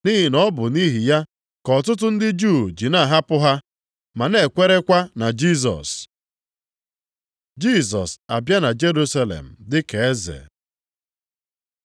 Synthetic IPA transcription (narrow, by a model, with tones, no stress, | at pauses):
ni˦ɦɪ˨nɔ˦bʊ˨ni˦ɦi˨ja˦ | kɔ˨tʊ˦t̬ʊ˦n̩˦dɪ˦d͡ʒu˦˨d͡ʒi˨na˦˨ɦa˦pʊ˦ɦa˦ | ma˨ne˦˨kʷe˦ɾe˦kʷa˦na˨d͡ʒi˦˨s̬ɔ̰˨s | d͡ʒi˦s̬ɔ̰˨sa˨bja˦na˨d͡ʒe˦ɾu˦sa˦lḛ˨m̩˨dɪ˦ke˨e˦zḛ˨